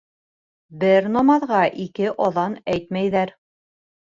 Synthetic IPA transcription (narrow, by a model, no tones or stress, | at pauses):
bɘɾnɑmɑðʁɑʔikɘʔɒðɑnæjt̪mæjðæɾ